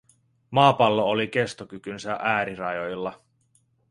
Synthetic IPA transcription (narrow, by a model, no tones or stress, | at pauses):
mɑːpɑlːoolike̞st̪okykynsæʔæːɾirɑjo̞jlːɑ